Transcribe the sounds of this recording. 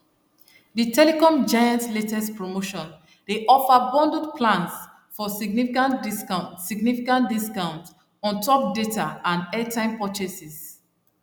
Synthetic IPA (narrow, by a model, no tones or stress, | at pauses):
ditʰɛlekɔ̃md͡ʒajãntletɛspɹomoʃɔ̃n | deʔɔfabɔ̃ndudpʰlãns | fɔsiɡnifikãntisasiɡnifikãntdiskãʊ̃nt | ɔ̃ntʰɔp̚detaãndɛtʰãɪ̃mpɔt͡ʃesis